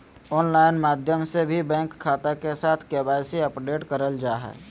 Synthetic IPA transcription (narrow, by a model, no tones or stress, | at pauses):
ɔːnlaːɪnmaːd̪ʱjəmsebʱibɛ̃ːŋkʰːaːt̪akesaːt̪ʰkebaɪsiəpɖeːʈkəɾəld͡ʒaːɦɛ̰ː